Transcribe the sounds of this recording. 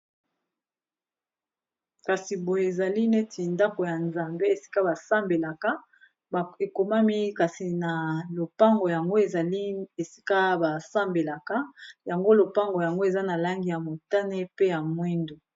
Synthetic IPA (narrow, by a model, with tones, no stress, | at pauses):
ka˨si˨bo˨je˨e˨za˨li˦ne˦tʰi˨nda˦ko˨ja˨nza˨mbe˦e˨si̥˦ka˦ba˨sa˦mbe˨la˨ka˦ | be˨ko˨ma˦mi˦ka˨si˨na˨lo˨pa˦ŋɡo˨ja˨ŋɡo˦e˨za˨li˦e˨si̥˦ka˦ba˨sa˦mbe˨la˨ka˦ja˨ŋɡo˦lo˨pa˦ŋɡo˨ja˨ŋɡo˦e˨za˦na˨la˦ŋɡi˨ja˨mo˨ta˦ne˦pe˦ja˨mwi˦ndo˨